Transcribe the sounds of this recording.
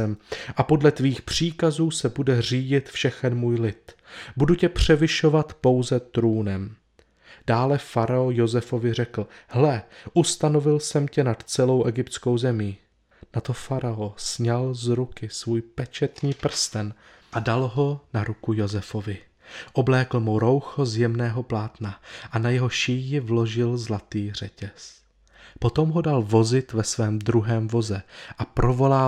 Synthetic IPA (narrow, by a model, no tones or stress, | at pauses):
ɛmʔapo̞dlɛt̪viːxpr̝̥iːkazuːsɛbudɛr̝iːɟɪt̪fʃɛxɛnmuːjlɪt̪buducɛpr̝̥ɛvɪʃo̞vat̪po̞wzɛt̪ɾuːnɛm | d̥aːlɛfaɾaojo̞zɛfo̞vɪr̝ɛkl̩hlɛʔust̪ano̞vɪlsɛmcɛnat̪t͡sɛlo̞wʔɛɡɪpt̪t͡sko̞wzɛmiː | nat̪o̞faɾaosɲalzɾukɪsvuːjpɛt͡ʃɛt̪ɲiːpr̩st̪ɛn | ʔadalɦo̞naɾukujo̞zɛfo̞vɪ | ʔoblɛːkl̩muɾo̞wxozjɛmnɛːɦo̞plaːt̪naʔanajɛɦo̞ʃiːjɪvlo̞ʒɪlzlat̪iːr̝̥ɛcɛs | po̞t̪o̞mɦo̞dalvo̞zɪt̪vɛsvɛːmd̪ɾuɦɛːmvo̞zɛʔapɾʔo̞vo̞laː